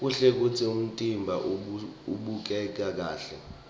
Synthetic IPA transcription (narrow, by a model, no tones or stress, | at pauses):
k̬uɬɛk̬ut͡sʰium̩tʼimbʱaʔuɓuk̬ɛk̬ak̬aːɬɛ̰